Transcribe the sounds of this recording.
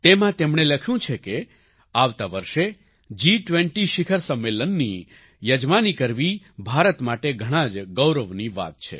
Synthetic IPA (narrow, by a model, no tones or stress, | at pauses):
t̪emãt̪emɳ̃eləkʰjũt͡ʃʰeke | aʋt̪aʋəɾʃe | d͡ʒiʈʋẽɳʈiʃɪkʰəɾsəmːelənːi | jəd͡ʒmanikəɾʋi | bʱaɾət̪maʈeɡʱəɽ̃ãd͡ʒɡəwɾəʋniʋa̰t̪̚t͡ʃʰḛ